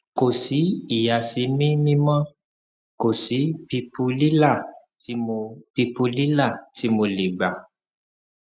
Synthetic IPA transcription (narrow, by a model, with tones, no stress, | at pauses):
ko˨si˨˦i˨ja˨si˧mĩ˦mĩ˦mã˦ | ko˨si˨˦pi˧pu˧li˦la˦˨ | ti˧mo˧pi˧pu˧li˦la˦˨ti˧˦mo˧le˨ɡ͡ba˨